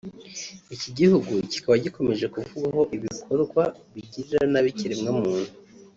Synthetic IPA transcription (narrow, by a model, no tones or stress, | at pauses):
iciɟihuɡuci̥kaβaɟiko̞me̞ʒe̞kuvuɡaɦo̞ʔiβikʰo̞ɾɡwaβiɟiɾiɾanaβiciɾemŋamuːn̥hu